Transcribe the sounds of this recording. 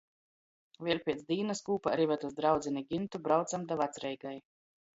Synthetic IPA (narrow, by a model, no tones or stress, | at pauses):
vʲiɛɾpʲiɛt̪sd̪ʲiːnaskuːpaɾivat̪uzd̪ɾawd̪zʲiniɡʲint̪ubɾawt̪samd̪avat̪sɾɛjɡaj